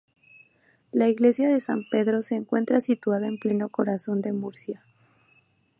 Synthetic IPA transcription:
laiɣle̞sjaðe̞sampe̞ðɾo̞se̞ːŋkwe̞nt̪ɾasit̪waðaemple̞no̞ko̞ɾaso̞nd̪e̞muɾsja

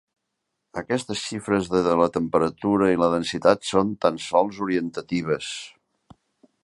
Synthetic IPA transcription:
əkɛst̪əsʃifɾəzðəðələt̪əmpəɾət̪uɾəiləðənsit̪at̪sont̪ansɔlˠzuɾiənt̪ət̪iβ̞əs

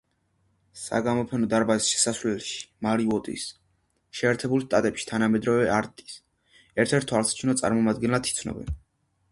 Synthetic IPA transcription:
sa̰ɡamɔpʰɛnɔd̪aɾbazisʃɛ̥sasvlɛlʃi̥maɾivɔt̪ʼḭs | ʃɛːɾt̪ʰɛbulˠʃt̪ʼat̪ʼɛpʃi̥t̪ʰanamɛd̪ɾɔvɛʔaɾt̪ʼi̥s | ɛɾt̪ʰɛɾt̪ʰːwalˠsḁt͡ʃʰunɔt̪sʼa̰ɾmɔmad̪ɡɛnlat̪ʰit̪sʰnɔ̰bɛ̰n

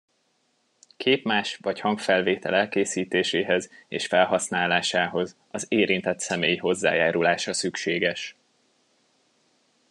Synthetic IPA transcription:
kʰeːpmaːʃvɒchɒŋkfɛlveːt̪ɛlɛlkeːsiːt̪eːʃeːɦɛzḛːʃfɛlɦɒsnaːlaːʃaːɦo̞z | ɒzeːɾint̪ɛt̪sɛmeːjiɦo̞zːa̰ːjaːɾulaːʃɒsykʃeːɡɛʃ

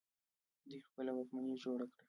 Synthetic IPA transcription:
d̪ujxpəlawakmanid͡ʒoɽakɽa

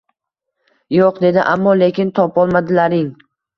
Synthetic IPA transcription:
joqd̪e̞d̪ɪʔamːɒle̞kʲɪnt̪ʰɒpɒlˠmad̪ɪlaɾɪŋ

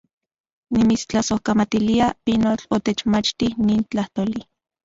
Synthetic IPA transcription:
nimit͡st͡ɬasohkamat̪iliapinot͡ɬot̪et͡ʃmat͡ʃt̪ihniːnt͡ɬaht̪oːli

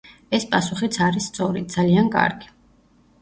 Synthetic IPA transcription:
ɛspʼasuχit̪sʰaɾisːt̪sʼɔɾid̪z̥aliankʼa̰ɾɡi̥

